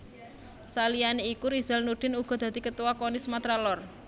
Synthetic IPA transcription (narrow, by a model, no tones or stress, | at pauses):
salijaneikuɾiz̥ɛ̤lnuɖ̥ɪ̤nuɡ̥ɔ̤d̪̥a̤d̪̥i̤kət̪uwakonisəmat̪ɾalɔr